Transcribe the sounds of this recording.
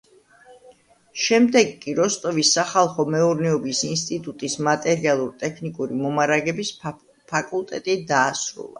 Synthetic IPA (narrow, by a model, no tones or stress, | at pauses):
ʃɛmd̪ɛɡkʼiɾɔst̪ʼɔvisːaχalˠχɔmɛuɾnɛɔbisinst̪ʼit̪ʼut̪ʼismat̪ʼɛɾialˠuɾt̪ʼɛkʰnikʼuɾimɔmaɾaɡɛbis | pʰakʼulˠt̪ʼɛt̪ʼid̪aːsɾṵlˠa̰